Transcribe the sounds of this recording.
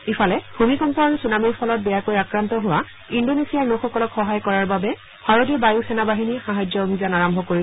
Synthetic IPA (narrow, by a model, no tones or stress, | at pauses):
ifʰalɛhumikɔntɔɹusunamiɹpʰɔlɔt̚bɛjakojakɹantɔɦʊwa | indonesiaɹnoxɔkɔlɔkxɔɦajkɔɹaɹbabɛ | bʰaɹodiɔbajusɛnabaɦinixaɦajd͡ʒɔomizanaɹambʱɔkoɹi